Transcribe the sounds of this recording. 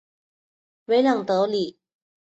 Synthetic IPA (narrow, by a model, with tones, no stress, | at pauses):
we˨˥ɪlɑ˨˩ŋt̪ɤ˨˥˦li˨˩˦